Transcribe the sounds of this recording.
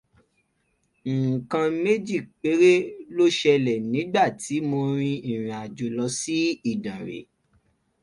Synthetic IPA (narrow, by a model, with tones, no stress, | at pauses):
ŋ̩˨kã˧me˦d͡ʒi˦˨kk͡pe˨˦ɾe˦lo˦ʃɛ˧lɛ˨nĩ˨˦ɡ͡ba˦˨tʰi˨˦mo˧ɾ̃ĩ˧i˦˨ɾ̃ĩ˨a˨d͡ʒo˨lɔ˧si˦i˦˨dã˨ɾḛ˨